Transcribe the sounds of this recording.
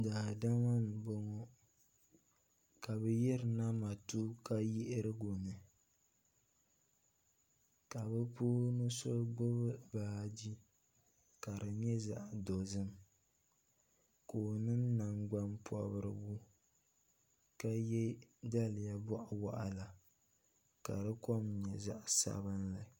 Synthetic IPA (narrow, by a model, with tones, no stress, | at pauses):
daː˨da˦ŋa˦n˨bo˦ŋɔ˦ | ka˨bɛ˦jɛ˦ɾɨ˨na˦ma˨tu˦ka˦ji˦ʔɾɨ˦ɡo˨nɨ˨ | ka˨bɛ˦puː˦nɨ˦so˦ɡ͡bʊ˦bɨ˦baː˨d͡ʒi˦ | ka˨ɾɨ˨ɲɛ˦za̰˨ʔdo˨zɨ˦m | koː˨nɨ˦nna˨ŋɡ͡ba˦mpʰɔ̰˨bɨ˨ɾɨ̰˨bu˦ | ka˦jɛ˦da˦lɪ˨ja˨bɔ˦ʔa˨wa˦ʔa˨la˨ | ka˨ɾɨ˦kɔ˦mɲɛ˨za̰˦ʔsa̰˨bɨ˦nla˨